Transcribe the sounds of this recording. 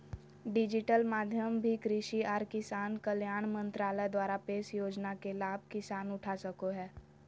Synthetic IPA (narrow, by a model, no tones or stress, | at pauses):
ɖɪd͡ʒɪʈəlmaːd̪ʱjəmbʱikɾɪʃiaːɾkɪsaːnkəljaːɳ̃mə̃nt̪ɾaːləjd̪waːɾapeːsjoːd͡ʒnakelaːb̚ʱkɪsaːnʊʈʰasəkoɦɛː